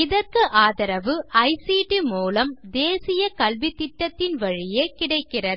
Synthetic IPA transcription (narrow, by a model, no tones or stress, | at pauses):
ɪðɐrkɯʔaːðɐɾɐʋɯɐɪsiːʈimuːlɐmd̪eːsɪjɐkɐlʋit̪ːɪʈːɐt̪ːɪnʋɐɻɪjeːkɪɽɐɪkːɪrɐɾ